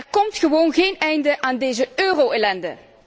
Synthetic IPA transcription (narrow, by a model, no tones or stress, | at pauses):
ɛrkɔmtχəʋoːnɣejnɛjndəʔaːndejzəøːrowelɛndə̰